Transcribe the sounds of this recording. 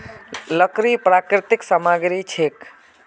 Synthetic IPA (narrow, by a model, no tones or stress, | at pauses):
ləkɾipɾakɾɪt̪iksəmaɡɾit͡ʃʰek